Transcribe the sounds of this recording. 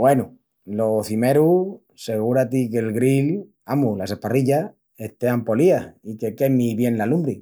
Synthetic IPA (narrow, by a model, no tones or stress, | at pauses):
wenu | lo̞θime̞ɾu | se̞ɣuɾat̪ike̞lɣɾil | amulase̞hpariʎa | eht̪e̞ampo̞liaike̞ke̞miβje̞nlalumbɾi